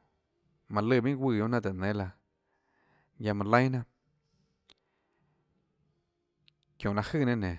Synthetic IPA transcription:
mã˨lɨ˧˨mĩ˦ɡʷi˧˨jõ˧˦nã˧t̪̬a˨nẽ˨˦la˧ | ja˧mã˧lə̃˦j̃nã˦ | kjõ˨la˧hɨ˦˨nẽ˦nẽ˨

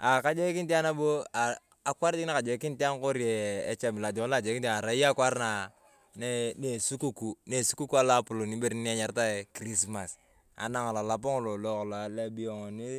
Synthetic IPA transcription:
a˨ka˦d͡ʒe˦ki˦nti˦a˦na˦bo˦a˨ | a˨kwa˦ɾd͡ʒi˦na˦ka˨d͡ʒe˨˦ki˦nti˦a˦ŋko˦ɾi˦eː˨˦t͡ʃe˨mi˨la˨d͡ʒo˨ŋ˦la˦˨d͡ʒe˨ki˦ta˨ɾa˨˦ja˦kwa˦ɾna˨ | ne˦ne˨su˦ku˦ku˨ne˨su˦ku˦ku˦a˦la˦pu˨lo˨ni˦be˦ɾni˦ni˦a˦ɲa˨ɾta˦e˨kɾi˦s̬ma˨s | a̰˨na˦ŋa˨la˨la˨p̬o˦ŋo˦˨lo˨lo˦kla˨le˦bi˦jo˨ŋo˨ni˦

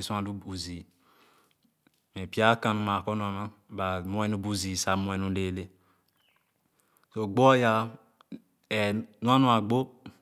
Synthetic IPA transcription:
i˨sã˨du˦u˨zi˨ | mɛ˨pi˦a˦kã˨nũ˦ma˨kɔ˦n˦ɔ˨mã˦ba˨mũ˦ɛ˦nũ˦bu˦ziː˨sa˨˦mũ˦ɛ˦nũ˦le˦˨le˦ | so˨ɡ͡bɔ˦ja˦ | ɛ˨nũ˦a˦nũ˦a˨ɡ͡bo˦

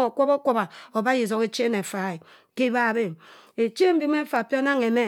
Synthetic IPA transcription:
o˨kʷo˦bo˦kʷo˦ba˨o˨ba˦i˨zo˨˦ke˨t͡ʃe˦ne˨fa˨e˨ | ke˦ba˦˨be˦˨ | e˨t͡ʃe˦m̩˦bi˦m˦e˦fa˨pi˦o˦na˦ŋe˨me˦

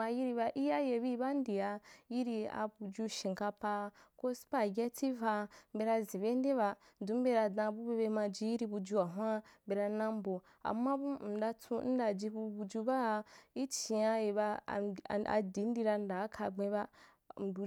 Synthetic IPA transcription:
a˧ji˦ɾi˧ba˧ʔi˦ja˦je˧bi˦˧˦ba˦n̩˦di˨a˧ji˦ɾi˧a̰˧bu˧d͡ʒu˧ʃĩ˨ŋ˨ka˧pa˧ko˦spa˦˨ɡʲɛ˦ti˦va˧m̩˦be˧ɾa˧zĩ˨be˦n̩˦de˦βa˧ | n˨du˨˦m̩˦be˧ɾa˧dã˧˨bu˦be˧be˧ma˧d͡ʒi˧˦ji˦ɾi˧bu˧d͡ʒu˧a˨ɦʷa˦m˦be˧ɾa˧nã˦m˦bo˨ | a̰˨mːa˦bu˦m̩˨da˧tʰu˧˦n̩˦da˧˨d͡ʒi˧bu˧bu˧d͡ʒu˧ba˦˧i˦t͡ʃi˨a˧e˧ba̰˧˨a̰˧di˨˦n̩˦di˧ɾa˧n̩˦da˨˦kʰa˧ɡ͡bẽ˧ba˦˨ | bu˧

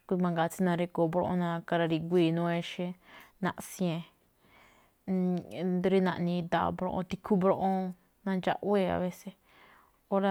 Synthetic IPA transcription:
kʷu˧mã˧ŋɡa˧t͡ʃi˦nã˧ɾe˧ko˧bɾõ̰˧ʔõ̰˧nã˧ka˧ɾa˧ɾi˧ɡʷiː˧˨nũ˦˧e˧ʃẽ˧nã̰˧ʔsjẽ˧ | ɾi˦nã˧ʔnĩ˧d̪a̰˧bɾõ̰˧ʔõ̰˧t̪i˧kʰu˦bɾõ˧ʔõ˧ | nã˧nd͡ʒa̰˧ʔwe˦˧a̰˧βe˧se˧ | o˦ɾa˧

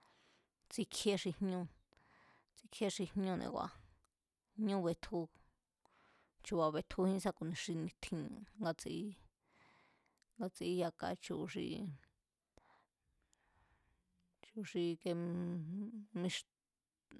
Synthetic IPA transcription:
t͡si˧kʰe˦ʂi˧hɲũ˦˧ | t͡si˧kʰe˧˦ʂi˧hɲũ˦˧nḛ̃˧kʷwʷa̰˧ | hɲũ˦βe˧t̪ʰu˧ | t͡ʃu˧wa˧βe˧t̪ʰu˧hĩ˦sa˧ku˧˨nẽ˨˧ʂi˧nĩ˧t̪ʰĩ˧ŋɡa˧t͡si˧i˦ | ŋɡa˧t͡si˧i˧ja˧ka̰˧t͡ʃu˧ʂḭ˧ | t͡ʃu˧ʂi˧ke˧ | mĩ˧ʂ

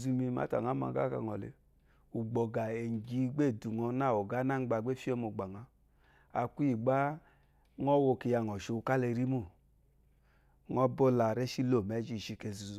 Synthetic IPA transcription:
zu˧mi˧˦ma̰˨˦ta̰˨ŋa˦ma̰˧˨ɡa̰˦ka̰˧˨ŋɔ˨lḛ˨˧ | u˨ɡ͡bɔ˨ɡa˨e˨ɡi˧˦ɡ͡be˦˨du˨ŋɔ˧na˦˨o˨ɡa˦na˦˨ŋ̩˦ɡ͡ba˧˨ɡ͡be˦fi˦o˦mo˨ɡ͡ba˨ŋa˧ | a˨ku˦i˦˨ɡ͡ba˦ | ŋɔ˦wo˧ke˧ja˧˨ŋɔ˨ʃo˧ka˦le˧ɾi˦mu˦˨ | ŋɔ˦bo˦la˨ɾe˦ʃi˦lo˦˨me˨˦d͡ʒi˦˧˨ʃi˧ke˧zu˨˦

